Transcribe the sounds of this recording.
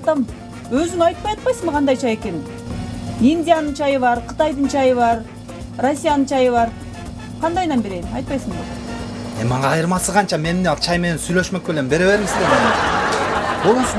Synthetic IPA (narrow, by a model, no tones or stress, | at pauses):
t̪ɑm | øzyŋɑjt̪̚pɑjɑt̪̚pɑjsəɴməqʰɑnd̪ɑjt͡ʃʰɑje̞ke̞n | indʲijanɨnt͡ʃʰɑjɯβɑɾqʰə̥t̪ɑjd̪ɯnt͡ʃʰɑjɯβɑɾ | rosʲːijanɨnt͡ʃʰɑjɯβɑɾ | qʰɑnd̪ɑjd̪ɑnbeɾe̞jmɑ̰jt̪̚pɑjsəŋd̪eemmɑɴɑːjɯɾmɑsɯʁɑnt͡ʃɑme̞nɪmneɑt͡ʃʰɑjmenensyjlø̞ʃmø̞k̚belebe̞ɾe̞βe̞ɾŋsd̪e | bolˠɑs